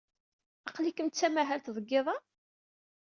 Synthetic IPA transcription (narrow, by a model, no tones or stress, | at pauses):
ɑqlikəmt̪t͡sːæmæɦælt̪ðˤəɡːɪðˤɑ